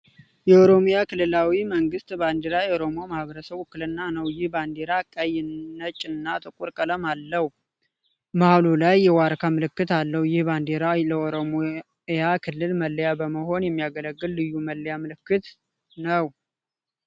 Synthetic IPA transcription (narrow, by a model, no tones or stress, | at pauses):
jɛoɾomjakʰɨlːɨlawiməŋɡɨst̪band̪eɾajɛoɾo̞mo̞mahβəɾəsəβʊkːɨlɨnːanəwjɪhband̪eɾakʼːajɪːət͡ʃʼːɨnːat̪ʼɨkʼuɾkʼələmalːəh | mahalulajːɛwaɾkʰamɨlɨkːɨt̪alːəhwjɪhband̪eɾaləoɾom | jakʰɨlːɨlməlːəjabəməho̞njɛmːijaɡələɡːɨlːɨjːuməlːəjamɨlɨkːɨt̪ | nəw